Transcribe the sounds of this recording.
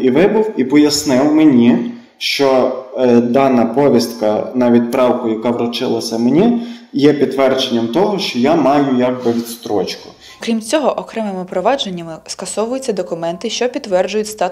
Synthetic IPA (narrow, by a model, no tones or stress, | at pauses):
iʋɪbʊwipɔjɐsnɪwmenʲi | ʃt͡ʃɔ | d̪ɑnɐpɔʋʲist̪kɐnɐʋʲid̪pɾɑwkʊjɐkɑʋɾɔt͡ʃɪlˠɐsʲɐmenʲijɛpʲid̪ːʋɛrd͡ʒenʲːɐmt̪ɔɦɔʃt͡ʃɔjamɑjʊjɑɡbɪʋʲit̪st̪ɾɔt͡ʃkʊ̥ | kɾʲimt͡sʲɔɦɔʔɔkɾɛmɪmɪpɾɔʋɑd͡ʒenʲːɐmɪskɐsɔʋʊjʊt͡sʲːɐd̪ɔkʊmɛnt̪ɪʃt͡ʃɔpʲit̪ːʋɛrd͡ʒʊjʊtʲst̪ɑ